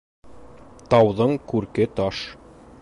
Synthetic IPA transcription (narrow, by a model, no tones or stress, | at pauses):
t̪ɑwðɤɴkʉɾkɘt̪ɑʃ